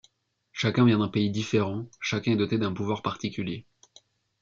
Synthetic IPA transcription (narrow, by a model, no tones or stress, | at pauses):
ʃakʲɛ̃vjɛ̃d̪ɛ̃peid̪ifeʁɑ̃ʃakʲɛ̃ɛd̪ɔt̪ed̪ɛ̃puvwaʁpaʁt̪ikʲylje